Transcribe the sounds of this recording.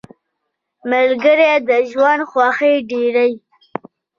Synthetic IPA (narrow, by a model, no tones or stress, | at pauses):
malɡəɾed̪əʒwand̪xwɑxeɖeɾaj